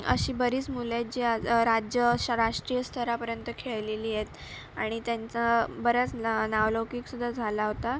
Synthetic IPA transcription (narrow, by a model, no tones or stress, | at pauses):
ə̰ɕiːbəɾiːt͡smulat̪̚d͡ʑiaɾad͡ʑjəɕaɾaʂʈɾijəst̪ʰəɾapəɾjənt̪əkʰeɭleliːjet̪ | aɽ̃it̪jant͡sabəɾət͡snaʋlowkiksud̪ʱːad͡zʱalaɦot̪a